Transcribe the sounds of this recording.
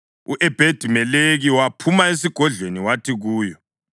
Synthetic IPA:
ṵʔɛb̥ʱed̥ʱimɛleɣiwapʰumaes̬iɡ̥ʱɔɮweniwatʰiɣuːjɔ

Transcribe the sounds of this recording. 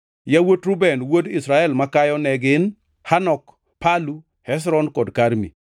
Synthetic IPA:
jawotɾubɛnwodisɾaɛlmakajɔnɛɡɪn | hanɔk | palu | hɛs̬ɾɔnkɔdkaɾmḭ

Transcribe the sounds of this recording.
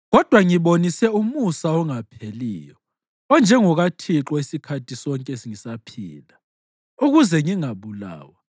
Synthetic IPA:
ɣɔd̥ʱwaŋiβonisɛumusaɔŋapʰelḭːjɔ | ɔnd͡ʒʱɛŋɔɣatʰiǁɔisikʰatʰisɔŋkʼɛesiŋisapʰḭːla | uɣuzɛŋiŋaβula̰ːwa

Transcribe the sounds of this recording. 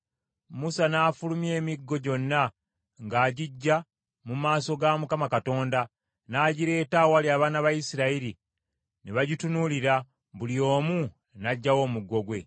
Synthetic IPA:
musanaːfulumje̞ːmiɡːo̞ɟo̞nːa | ŋɡaːɟiɟːa | mumaːso̞ɡamukamakato̞ːnda | naːɟiɾe̞ːtawaljaːβaːnaβajisiɾaiɾi | neβaɟitunuliɾa | βulio̞ːmu | naɟːawo̞ːmuɡːo̞ɡwe̞

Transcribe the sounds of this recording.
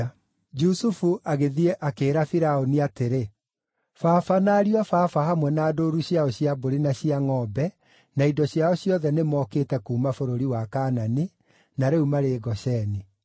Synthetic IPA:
d͡ʒusufuʔaɣeðiɛʔakeːɾafiɾaoniateɾe | faːfanaɾiwafaːfahamwɛnaːdoːɾuɕjaɔɕjaboɾinaɕiaŋɔbɛ | naidɔɕjaɔɕjɔðɛnemɔkeːtɛkuːmafoɾoɾiwakaːnani | naɾeumaɾeɡɔɕɛni

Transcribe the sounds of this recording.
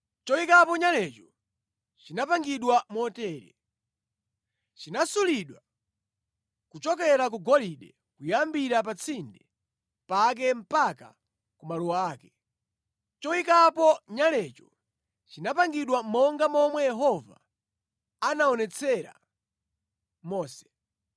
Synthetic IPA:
t͡ʃɔikapɔɲalɛt͡ʃɔ | t͡ʃinapaŋɡiɗwamɔtɛːɾɛ̰ | t͡ʃinasuliɗwa | kut͡ʃɔk̬ɛɾak̬uɡɔliɗɛ | kujambiɾapat͡sʰindɛ | pak̬ɛm̩paka̰ | kumaluwaaːkɛ | t͡ʃɔwikapɔɲalɛt͡ʃɔ | t͡ʃinapaŋɡiɗwamɔŋɡamɔmwɛjɛɦɔva̰ | anaɔnɛt͡sʰɛɾa̰ | mɔːsɛ̥

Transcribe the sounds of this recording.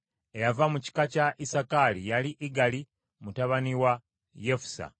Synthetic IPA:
ejavamuci̥kacaʔisakalijaliʔiɡali | mutaβaniwa | jefu̥sa̰

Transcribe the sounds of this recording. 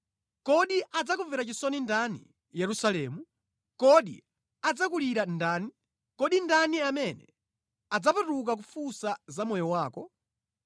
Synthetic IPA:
kɔɗiʔad͡zak̬uvɛɾat͡ʃisɔnindanḭ | jɛɾusalɛmu | kɔɗḭ | ad͡zakuliɾandaːni | kɔɗindaniamɛnɛ̰ | ad͡zapatuk̬ak̬ufusazamɔjɔwaːkɔ

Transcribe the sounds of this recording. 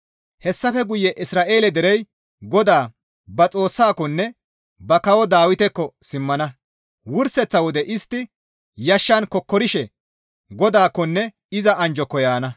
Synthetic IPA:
hɛsːɐfɛɡʊjːɛʔɪsɾaːʔe̞ːlɛd̪ɛɾɛj | ɡɔd̪aː | bɐt͡sʼo̞ːsːaːkːɔnːɛ | bɐkɐwɔd̪aːwɪt̪ɛkːɔsɪmːɐnɐ | wʊɾsɛt͡sːɐwɔd̪ɛʔɪst̪ːɪ | jɐʃːankɔkːɔɾɪʃɛ | ɡɔd̪aːkːɔnːɛ | ɪzɐʔɐnd͡ʒɔkːɔjaːnɐ

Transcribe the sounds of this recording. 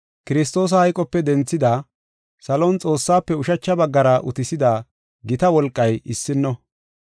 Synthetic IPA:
kɪɾɪs̬t̪o̞ːs̬ɐhɐjkʼɔpːɛd̪ɛnt͡sːɪd̪aː | sɐlɔnt͡sʼo̞ːsːaːpːɛʊʃɐt͡ʃːɐbɐɡːɐɾɐʔʊ̰t̪ɪsɪd̪aː | ɡɪt̪ɐwɔlkʼːɐjɪsːɪnːɔ

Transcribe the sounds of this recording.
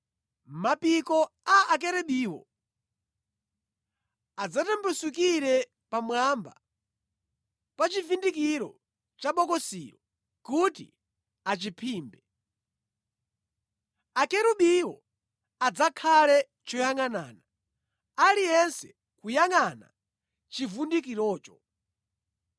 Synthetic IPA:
mapikɔaak̬ɛɾɛɓiːwɔ̰ | ad͡zatɛmbɛsukiɾɛ | pamwamba̰ | pat͡ʃivindikiɾɔ̰ | t͡ʃaɓɔkɔsḭːɾɔ | kutḭ | at͡ʃipʰiːmbɛ | akɛɾuɓiwɔ̰ | ad͡zakʰalɛ | t͡ʃɔjaŋana̰ːna | alijɛnsɛ | kujaŋana̰ | t͡ʃivundikiɾɔːt͡ʃɔ̥

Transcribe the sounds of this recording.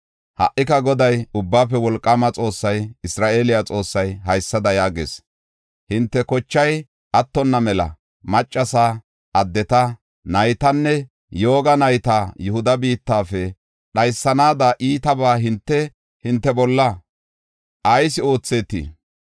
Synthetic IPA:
hɐ̰ʔːɪkɐɡɔd̪ɐjʊbːaːfɛwɔlkʼːɐmɐt͡sʼo̞ːsːɐjɪsɾaːʔe̞ːlɪjat͡sʼo̞ːsːɐjɦɐjsːɐd̪ɐjaːɡḛːs | hɪnt̪ːɛkɔt͡ʃːɐj | ʔɐt̪ːɔnːɐmɛlɐ̰ | mɐt͡ʃʼːɐsaː | ʔɐd̪ːɛt̪ɐ | nɐjt̪ɐnːɛ | jo̞ːɡɐnɐjt̪aːjʊhʊd̪ɐbiːt̪ːaːfɛ | ɗɐjsːɐnaːd̪aʔiːt̪ɐbaːɦɪnt̪ːɛ | hɪnt̪ːɛbɔlːɐ | ʔɐjsɪo̞ːt͡sːe̞ːt̪ːḭː

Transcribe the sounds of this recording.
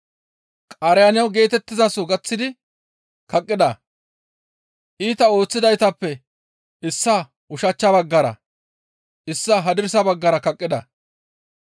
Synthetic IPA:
kʼaːɾɛjanɪjɐwɡe̞ːt̪ɛt̪ːɪzasoɡɐt͡sːɪd̪ɪ | kɐkʼːɪd̪ɐ | ʔiːt̪ɐo̞ːt͡sːɪd̪ɐjt̪ɐpːɛ | ɪsːɐ | ʔʊʃɐt͡ʃːɐbɐɡːɐɾɐ̰ | ʔɪsːɐɦɐd̪ɪɾsɐbɐɡːɐɾɐkɐkʼːɪd̪ɐ̰

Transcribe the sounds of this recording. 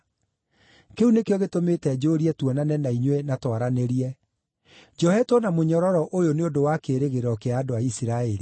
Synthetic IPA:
keunekeɔɣetometɛd͡ʑoɾiɛtwɔnanɛnaiɲwenatwaɾaneɾiɛ | d͡ʒɔhɛtɔnamoɲɔɾɔɾɔʔojoneondowakeɾeɣeɾɔkeaːdoaisiɾaɛɾi

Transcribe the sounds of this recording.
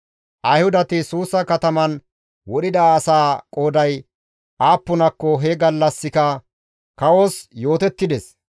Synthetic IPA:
ʔɐjhʊd̪ɐt̪ɪsuːsɐkɐt̪ɐmɐn | wɔɗɪd̪ɐːsaːkʼo̞ːd̪ɐj | ʔaːpːʊnɐkːɔɦɛɡɐlːɐsːɪkɐ | kɐwoːsjo̞ːt̪ɛt̪ːɪd̪ɛs

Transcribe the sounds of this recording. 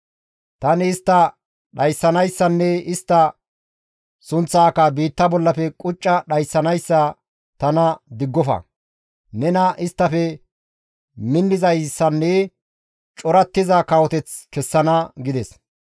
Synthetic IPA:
t̪ɐnɪːst̪ːɐ | ɗɐjsːɐnɐjsːɐnːɛɪst̪ːɐ | sʊnt͡sːaːkɐbiːt̪ːɐbɔlːɐfɛkʼʊt͡ʃʼːɐɗɐjsːɐnɐjsːɐ | t̪ɐnɐd̪ɪɡːɔfɐ̰ | nɛnɐʔɪst̪ːɐfɛ | mɪnːɪzɐjsːɐnːɛ | t͡ʃʼɔɾɐt̪ːɪzɐkɐwɔt̪ɛt͡skɛsːɐnɐɡɪd̪ɛs

